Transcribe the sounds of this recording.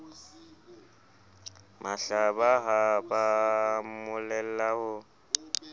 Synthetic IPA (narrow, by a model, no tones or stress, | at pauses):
mʔaɬabaɦabamʊlɛl̩lahʊ